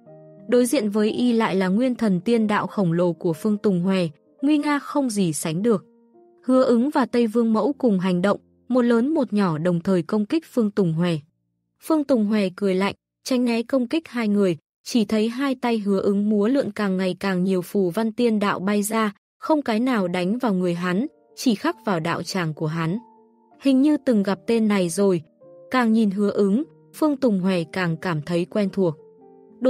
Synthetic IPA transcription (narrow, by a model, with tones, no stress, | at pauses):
ɗo˨˦jzḭ˧˨ənvəː˨˦jʔi˧la̰ː˧˨jlaː˨˩ŋwi˧ənt̪ʰə˨˩nt̪i˧ənɗa̰ː˧˨wxə˧˩wŋ͡mlo˨˩ku˧˩əfɨ˧əŋt̪ʊ˨˩ŋ͡mɦwɛ˨˩ | ŋwi˧ŋaː˧xə˧wŋ͡mzi˨˩sa˨˦jŋ̟ɗɨ˨˩ək̚ | hɨ˨˦əʔɨ˨˦ŋvaː˨˩t̪ə˧jvɨ˧əŋmə̰˧˥wkʊ˨˩ŋ͡mɦa˨˩jŋ̟ɗə̰˧˨wŋ͡m | mo˨˩t̚ləː˨˦nmo˨˩t̚ɲɔ˧˩ɗə˨˩wŋ͡mt̪ʰəː˨˩jkə˧wŋ͡mkï˦˥k̟̚fɨ˧əŋt̪ʊ˨˩ŋ͡mɦwɛ˨˩ | fɨ˧əŋt̪ʊ˨˩ŋ͡mɦwɛ˨˩kɨ˨˧˩əjla̰˧˨jŋ | t͡ɕa˨˦jŋ̟nɛ˨˦kə˧wŋ͡mkï˦˥k̚haː˧jŋɨ˨˩əj | t͡ɕi˧˩t̪ʰə˨˦jɦaː˧jt̪a˧jɦɨ˨˦əʔɨ˨˦ŋmu˨˦əlɨ̰˧˨ənkaː˨˩ŋːa˨˩jkaː˨˩ŋɲi˨˩əwfu˧˩va˧nt̪i˧ənɗa̰ː˧˨wɓa˧jzaː˧ | xə˧wŋ͡mkaː˨˦jnaː˨˩wɗa˨˦jŋ̟vaː˨˩wŋɨ˨˩əjɦa˨˦n | t͡ɕi˧˩xa˦˥k̚vaː˨˩wɗa̰ː˧˨wt͡ɕaː˨˩ŋku˧˩əɦa˨˦n | hï˨˩ŋ̟ɲɨ˧t̪ɨ˨˩ŋɣa˨˩p̚t̪e˧nːa˨˩jzo˨˩j | kaː˨˩ŋɲi˨˩nɦɨ˨˦əʔɨ˨˦ŋ | fɨ˧əŋt̪ʊ˨˩ŋ͡mɦwɛ˨˩kaː˨˩ŋkaː˧˩mt̪ʰə˨˦jkwɛ˧nt̪ʰu˨˩ək̚ | ɗo˧˨